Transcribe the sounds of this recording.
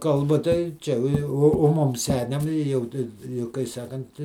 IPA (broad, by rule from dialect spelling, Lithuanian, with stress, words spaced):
ˈkɐlˠbɐ tɐɪ ˈt͡ʃʲɛ oː ˈjɛʊ oː ˈmʊm ˈsʲæːnʲɛm ɪ ˈjɛʊ tɐɪ jɛʊ kɐɪ ˈsɑːkɐnt